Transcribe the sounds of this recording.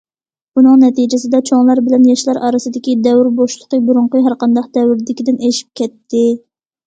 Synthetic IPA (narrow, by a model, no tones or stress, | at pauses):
bunɨŋnɛt̪id͡ʒɪsɪd̪ɛt͡ʃʰoŋlˠɑɾbɪlɛnjɑʃlˠɑɾɑːɾɨsɨd̪ɪkʲid̪ɛwɾboʃlˠəqəbuɾuɴqəɦæɾqɑnd̪ɑq̚d̪ɛwɾd̪ɪkʲid̪ɪneʃi̥p̚kʲɛt̪ʰːɪ